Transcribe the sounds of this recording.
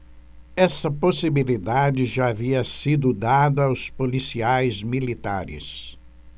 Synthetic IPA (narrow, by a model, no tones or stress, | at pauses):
ɛsɐposibilid̪ad͡ʒɪʒaaviɐsid̪ʊd̪ad̪ɐawspolisiajzmilit̪a̰ɾɪ̰s